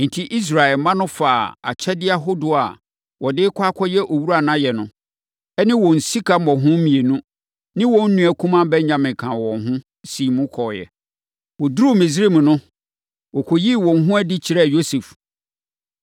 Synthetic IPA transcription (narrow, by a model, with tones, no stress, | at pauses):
n̩˨tʰi˦ʔi˦s̬ɾa˨ɛ˨lmã˦nʊ̃˦faː˨a̰˨t͡ɕʰɛ˦dɪ˦a˦ɦo˦dʊ˨a̰˨ | wɔ˨dɪ˦kʰʷaː˦kʷʰɔ˦jɛ˦ʔo˨wu˦ɾa˨nã˦jɛ˨nʊ̃˦ | ɛ˦nɪ̃˦wɔ̃˨n̩˨si˦kʰa˨mɔ̃˨ɦʊ̃˦mĩ˨e˨nũ˦ | nɪ̃˦wɔ̃˨n̩˦nũ˦æ˨kʰũ˦mã˦bɛ˦ɲɲã˨mɪ̃˨kʰã˨wɔ̃˨nɦʊ̃˦ | si˨mũ˦kʰɔː˨jɛ̰˨ | wɔ˨dɾu˦mĩ˨s̬ɾi˦˨mũ˨nʊ̃˦ | wɔ˨kʰo˨ji˦wɔ̃˨n˦ɦʊ̃˦æ˦di˦t͡ɕʰi˨ɾɛ˦˨jo˦se˨f